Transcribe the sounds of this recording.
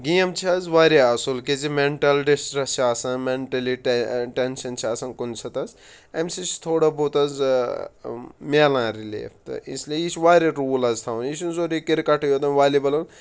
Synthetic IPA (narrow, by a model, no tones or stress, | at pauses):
ɡijɐmt͡ʃʰiɐzʋaːɾeɐsulkezimeɳʈɐlɖisʈɾɐst͡ʃʰiaːsɐnmeɳʈɐliʈʈenʃɐnt͡ʃʰiaːsɐnkunsʰɐt̪ɐz | emsit͡ʃʰt̪ʰoːɽɐbot̪ɐz | meːlãːɾilḭːft̪ɨ̰ḭsliejit͡ʃʰʋaːɾeɾuːlɐzt̪ʰaːwnit͡ʃʰunzoːɾikiɾkɐʈɐjoːt̪ɐmʋaːlibɐlɐn